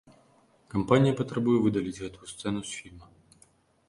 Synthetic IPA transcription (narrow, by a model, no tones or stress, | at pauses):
kɐmpanʲijɐpɐt̪ɾɐbujɛvɨd̪ɐlʲit͡sʲɣɛt̪ʊjʊst̪sɛnʊsfʲilʲmɐ